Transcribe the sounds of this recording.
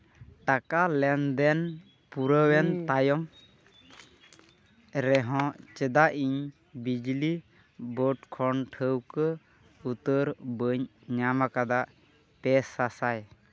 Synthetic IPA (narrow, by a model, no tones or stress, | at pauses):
ʈakalɛnd̪ɛn | puɾəwɛnt̪ajɔm | ɾɛɦɔ̃t͡ʃəd̪aʔiɲ | bid͡ʒli | bəʈkʰɔɳʈʰəwkə | ut̪əɾbəɲ | ɲamakad̪aʔ | pɛsasaj